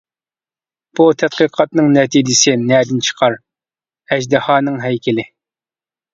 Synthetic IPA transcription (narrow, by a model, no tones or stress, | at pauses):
b̥ut̪ʰɛt̪̚qəqʰɑt̪nɨŋnɛt̪ʰid͡ʒ̪ɪsɪnɛːd̪ɪnt͡ʃʰə̥qʰɑɾ | ɛʒd̪ɨhɑːnɨŋɦɛjkʲʰɪlɪ